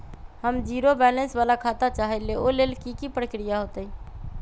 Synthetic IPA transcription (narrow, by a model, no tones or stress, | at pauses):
həmd͡ʒiɾobɛlənsbalakʰat̪at͡ʃaɦɛleolelkikipɾəkɾijaɦot̪əj